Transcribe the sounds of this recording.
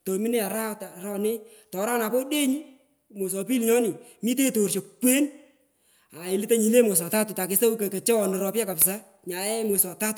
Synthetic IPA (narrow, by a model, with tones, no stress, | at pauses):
to˨mɪ˦ne˦a˨ɾa˦ta˨ɾɔ˦nɪ˦tɔ˨˦ɾa˦na˨po˦de˦ɲi˦ | mo˨s̬ɔ˨pi˦lɲɔ˦nɪ˨mi˦t̬e˦to˨rt͡ʃo˨pwe˦n | a˨ɪ˨lɪ˦ta˦ɲi˨le˦mo˨s̬ɔ˨ta˦tʊ˨ta˨kɪ˨sa˦u˦ke˨ke˨t͡ʃɛ˦wɔ˨nɔ˨ɾɔ˧pja˦ka˨psa˦ | ɲa˨ɛ˦mʊ˨sɔ˨ta˦tʊ˨